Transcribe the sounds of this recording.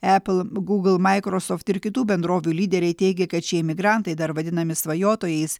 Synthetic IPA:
æpl̩ˠɡuːɡlˠmɑɪkɾosoːft̪ɪɾkʲɪt̪uːbʲɛnd̪ɾoːʋʲuːlʲiːd̪ʲɛɾʲɛɪt̪ʲɛɪɡʲɛkɐt̪t͡ʃʲiɛmʲɪɡɾɐnt̪ɐɪd̪ɐɾʋɐd̪ʲɪnɐmʲɪsʋɐjoːt̪oːjɛɪs

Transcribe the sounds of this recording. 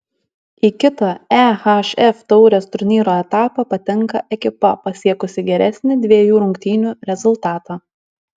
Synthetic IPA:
iːkʲɪt̪ɑæːhɑʃɛft̪ɔʊɾʲeːst̪ʊɾʲnʲiːɾoːɛt̪ɑːpɑpɐt̪ʲɛŋˑkɐʔɛkʲɪpɐpɐsʲiɛkʊsʲɪɡʲɛɾʲɛsʲnʲɪd̪ʲʋʲiɛjuːɾʊŋʲkt̪ʲiːnʲuːɾʲɛzʊlˠt̪ɑːt̪ɑː

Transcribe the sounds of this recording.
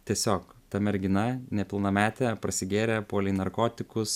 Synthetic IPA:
t̪ʲiɛsʲoːkt̪ɐmʲɛɾʲɡʲɪnɐnʲɛpʲɪlˠnɐmʲæːt̪ʲɛpɾɐsʲɪɡʲeːɾʲɛpoːlʲɛɪnɐɾkoːt̪ʲɪkʊs

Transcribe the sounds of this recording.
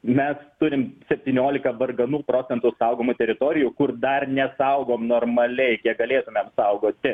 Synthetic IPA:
mʲɛst̪ʊɾʲɪmsʲɛpʲt̪ʲiːnʲoːlʲɪkɐʋɐrɡɐnuːpɾoːsʲɛnt̪ʊsɐʊɡoːmʊt̪ʲɛɾʲɪt̪oːɾʲɪjʊkʊrd̪ɐrnʲɛsɐʊɡoːmnoːrmɐlʲɛɪkʲiɛkɡɐlʲeːt̪ʊmʲɛmsɐʊɡoːtt̪ʲɪ

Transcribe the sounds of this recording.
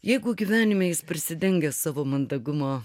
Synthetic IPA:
jɛɪɡʊɡʲiʋʲæːnʲɪmʲeːjɪspɾʲɪsʲɪd̪ʲɛŋʲɡʲɛsɑːʋoːmɐnd̪ɐɡʊmoː

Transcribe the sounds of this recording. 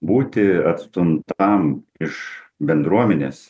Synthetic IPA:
buːt̪ʲɪɐt̪st̪ʊnt̪ɐmɪʃbʲɛnd̪ɾuɔmʲɛnʲḛːs

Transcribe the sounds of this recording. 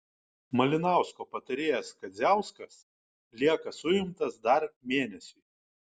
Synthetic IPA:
mɐlʲɪnɑˑʊskoːpɐt̪ɐɾʲeːjɛskɐd̪zʲæˑʊskɐs | lʲiɛkɐsʊjɪmt̪ɐsd̪ɐɾmʲeːnʲɛsʲʊː

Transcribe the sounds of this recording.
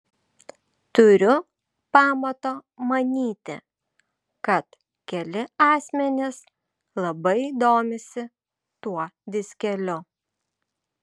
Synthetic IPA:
t̪ʊɾʲʊ | pɑːmɐt̪oːmɐnʲiːt̪ʲɪ̰ | kɐt̪ | kʲɛlʲɪɑːsʲmʲɛnʲɪs | lˠɐbɐɪd̪oːmʲɪsʲɪ | t̪uɔd̪ʲɪsʲkʲɛlʲʊ

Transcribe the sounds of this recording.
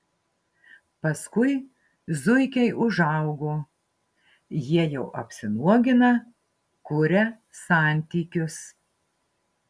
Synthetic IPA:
pɐskʊɪ | zʊɪkʲɛɪʔʊʒɑˑʊɡoː | jiɛjɛʊʔɐpʲsʲɪnuɔɡʲɪnɐ | kʊɾʲɛ | sɑˑnʲt̪ʲiːkʲʊs

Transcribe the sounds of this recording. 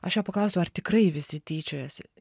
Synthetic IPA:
ɐʃjoːpɐklˠɐʊsʲɛʊɐrt̪ʲɪkrɐɪʋʲɪsʲɪt̪ʲiːt͡ʃʲoːjoːsʲ

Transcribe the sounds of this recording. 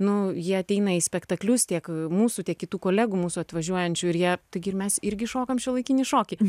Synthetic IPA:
nʊjiɛɐt̪ʲɛɪnɐɪsʲpʲɛkt̪ɐklʲʊst̪ʲiɛkmuːsʊt̪ʲiɛkʲɪt̪uːkoːlʲæːɡumuːsʊɐt̪ʋɐʒʲuɔjɛnʲt͡ʃʲʊɪɾjiɛt̪ɐɪɡʲɪɪɾmʲɛsɪɾʲɡʲɪʃoːkɐmʃʲɛlˠɐɪkʲinʲɪʃoːkʲɪ

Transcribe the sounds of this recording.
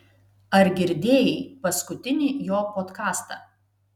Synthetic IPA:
ɐɾɡʲɪɾʲd̪ʲeːjɛɪpɐskʊt̪ʲɪnʲiːjoːpoːt̪kɑːst̪ɑː

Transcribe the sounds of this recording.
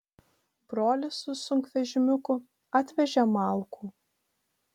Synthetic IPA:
b̥ɾoːlʲɪsʊsʊŋʲkʋʲɛʒʲɪmʲʊkʊ | ɑt̪ʲʋʲɛʒʲɛmɑˑlˠkʰuː

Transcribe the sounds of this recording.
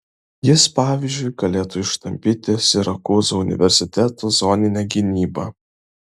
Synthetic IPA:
jɪspɑːʋʲizʲd͡ʒʲʊɪjɡɐlʲeːt̪ʊɪʃt̪ɐmʲpʲɪt̪ʲɪsʲɪɾɐkuːzoʊnʲɪ̰ʋʲɛɾʲsʲɪt̪ʲɛt̪uːzoːnʲɪnʲɛɡʲɪnʲiːbɐ̰

